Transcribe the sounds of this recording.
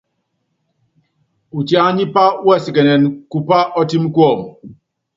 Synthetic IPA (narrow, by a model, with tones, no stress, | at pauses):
u˨tja˦ɲi˦pa˦ɛ˦˨si˨kɛ˨nɛ˨nku˦pa˦ʔɔ˦ti˦m˦kɔ˦˨m